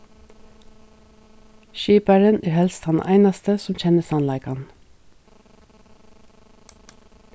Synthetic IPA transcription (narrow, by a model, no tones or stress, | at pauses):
ʃiːpɑɹənæːɾhɛlst̪hɑnʔæ̰ɪnɑst̪əsɔmc͡çɛnəsɑnlæɪkhɑn